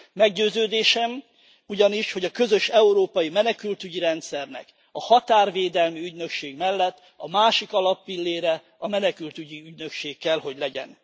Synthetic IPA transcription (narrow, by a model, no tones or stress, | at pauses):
mɛɡɟøːzøːd̪eːʃɛm | uɟɒniʃho̞ɟɒkø̞zø̞ʃɛuɾoːpɒjimɛnɛkylt̪yɟiɾɛnt̪sɛrnɛ̰k | ɒhɒt̪aːrveːd̪ɛlmiyɟnø̞kʃeːɡmɛlːɛt̪ː | ɒmaːʃikɒlɒpːilːeːɾɛ | ɒmɛnɛkylt̪yɟiyɟnø̞kʃeːkːɛlɦo̞ɟlɛɟɛ̰n